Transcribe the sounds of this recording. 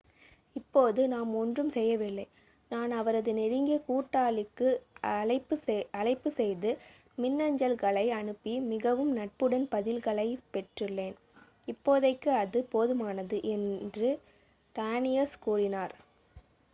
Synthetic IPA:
ɪpːoːðɯnaːmɔndrɯmsɛjːɐʋɪlːɐɪ | naːnɐʋɐɾɐðɯnɛɽɪŋɡekuːʈːaːɭɪkːɯɐɪpːɯɐlɐɪpːɯsɛjðɯ | mɪnːɐɲd͡ʒɐlkɐɭɐɪɐɳɯpːimɪɣɐʋɯmnɐʈ̚pɯɽɐnpɐðɪlkɐɭɐɪpɛʈrɪlːeːn | ɪpːoːðɐɪkːɯɐðɯpoːðɯmaːnɐðɯʔɛndrɯ | ʈaːnɪjɐskuːrɪnaːɾ

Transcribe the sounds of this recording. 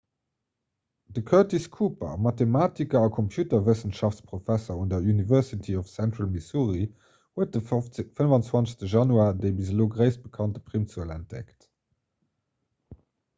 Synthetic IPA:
d̥əkʰœtiskʰuːpɐ̰mɑtemaːtikɐɑkʰɔmpʰjuːtɐvəsənʃɑftt͡spʁ̥ofæsɐundɐjunivɛɐsitʰiɔfsæntʁalmisuːʁi | huət̚dəfənvɑnt͡swɑnt͡səstəʒɑnuaːdəɪbizəloːɡʁəɪsb̥əkʰɑntə̥pʁimsuəlæ̰nt̚d̥ɛ̰kt

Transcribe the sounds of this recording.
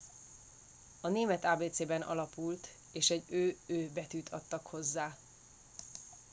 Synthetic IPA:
ɒneːmɛt̪aːbeːt̪seːbɛnʔɒ̰lɒpult̪ | eːʃɛɟøːøːbɛt̪yːt̪ʰɒt̪ːɒkho̞zːaː

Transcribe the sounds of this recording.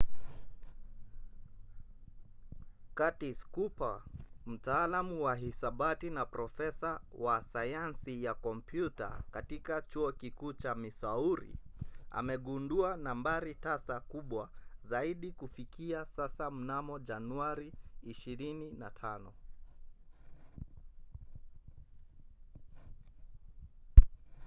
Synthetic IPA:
katiskupam̩taːlamuwaɦisaɓatinapɾɔfɛsawasajansijakɔmpjuta̰katikat͡ʃuɔkikuːt͡ʃamisauɾḭa̰mɛɠunduanambaɾitasakuɓwazaiɗikufikiasasam̩namɔʄanuaɾiːʃiɾininatʰanɔ

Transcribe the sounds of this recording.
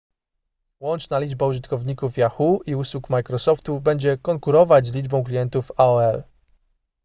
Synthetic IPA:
wɔnt͡ʂnalʲid͡ʐbauʐɨt̪kɔvɲikufjaxuiuswukmajkɾɔsɔft̪ubɛɲd͡ʑɛkɔŋkuɾɔvad͡ʑzlʲid͡ʐbɔ̃w̃klʲijɛnt̪ufaɔɛl

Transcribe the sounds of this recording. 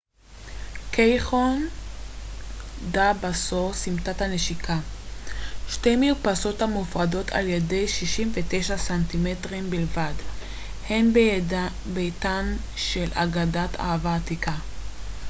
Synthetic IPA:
kʰejχon | dabasosimtathaneʃikʰa | ʃtejmijupaso̞thamufʁado̞tʰa̰lje̞de̞jʃiʃimvetejʃasantimetʁimbilvad | he̞n | bejtan | ʃela̰ɡadatʰa̰havaːtikʰa

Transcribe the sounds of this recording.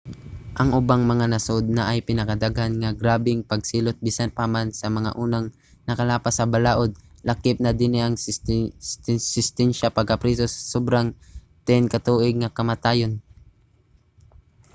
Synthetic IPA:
ʔɐŋʔʊbaŋmɐŋanɐsod̪̚nɐʔɐjpɪnɐkɐd̪aɡhanŋɐɡɾaːbɪŋpɐɡ̚siːlot̪̚biːsanpamansɐmɐŋa̰ʔuːnɐŋ | nɐkɐlaːpɐsɐbɐlaːʔod̪̚lɐkɪp̚nɐd̪ɪnɪʔɐŋ | sɪst̪ɛnʃapɐɡ̚kɐpɾisosɐ̥sobɾaŋ | t̪ɪnkɐt̪uːʔɪɡ̚ŋɐkɐmɐt̪aːjon

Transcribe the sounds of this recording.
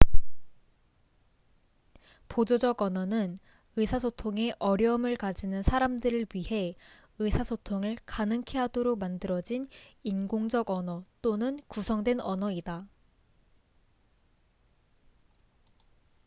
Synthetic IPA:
pod͡ʑod͡ʑʌɡʌnʌnɯn | ɯsʰasʰotʰoŋe̞ʔʌɾjʌɯmɯɭkad͡ʑinɯnsʰaɾamdɯɾɯɭɥihe̞ | ɯsʰasʰotʰoŋɯɭkanɯŋkʰe̞ɦadoɾoɡ̚mandɯɾʌd͡ʑininɡoŋd͡ʑʌɡʌnʌt͈onɯnkusʰʌŋdwe̞nʌnʌida

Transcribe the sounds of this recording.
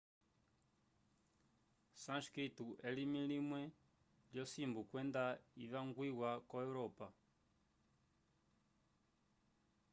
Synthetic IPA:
sãnʃkɾituʔɛlimilimwɛ | ljɔsimbukwɛndaiβaŋɡwiwakɔɛuɾɔpa

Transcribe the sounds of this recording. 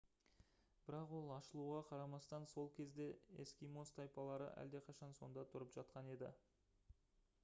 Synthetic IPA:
b̥ɪɾɑqwo̞lˠɑʃəlˠuʁɑqʰɑɾɑmɑst̪ɑnso̞lˠkʲʰe̞zd̪e̞ḛskʲijmo̞st̪ʰɑjpɑlˠɑɾə̰ʔæ̰ld̪e̞qʰɑʃɑnso̞̰nd̪ɑt̪ʰʊɾəpʒ̥ɑt̪̚qɑne̞d̪ɪ̰

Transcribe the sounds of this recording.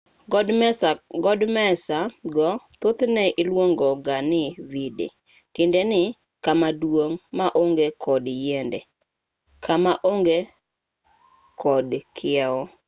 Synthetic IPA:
sɡɔdmɛsaɡɔt̪ot̪nɛʔɪlwoŋɡɔɡanɪvidḛ | tɪndenɪ | kamadwoŋmaʔoŋɡekʰɔdjɛndɛ | kʰamaʔoŋɡe | kʰɔdkʰɪɛɔ

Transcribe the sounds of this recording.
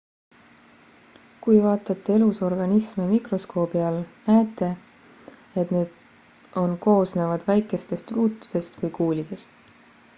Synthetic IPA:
kujvɑːt̪ːˑɑt̪ːee̞luso̞rɡ̥ɑnismemikro̞sko̞ːb̥iɑlnæet̪ːˑe̞ | et̪neːd̪̥ | o̞nko̞ːsneːvɑd̪̥væjkːˑe̞st̪e̞st̪ruːt̪ːˑu̥d̪̥e̞st̪vɯjkuːlʲid̪̥e̞st̪

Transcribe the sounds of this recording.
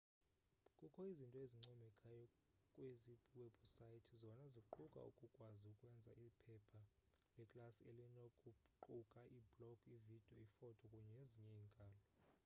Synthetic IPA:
kʼukʰɔizintʼɔeziŋ͡ǀʱɔmɛkʰʼajɔ | kʼweziweb̥ʱusaitʰizɔnazikǃʰukʼa̰ṵkʼukʼwaziukʼwɛnd͡zʱa̰ʔipʰɛpʰa | lɛkʼlasielinokʼuǃukʼaʔiblɔkʰʼivid̥ʱiɔifɔtʰɔkʼuɲɛeziɲɛiŋkʼaːlɔ

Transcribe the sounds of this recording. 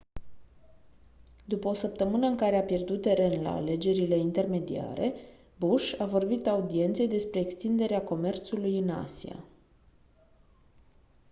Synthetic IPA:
d̪upəo̞səp̚t̪əmɨnəɨŋkaɾe̞apje̞rd̪ut̪ːe̞ɾe̞nla̰ːle̞d͡ʒe̞ɾile̞int̪e̞rme̞d̪ia̰ɾe̞ | buʃavo̞rbit̪aud̪ie̞nt̪se̞jd̪e̞spɾe̞ːkst̪ind̪e̞ɾeako̞me̞rt̪sulujɨna̰sia̰

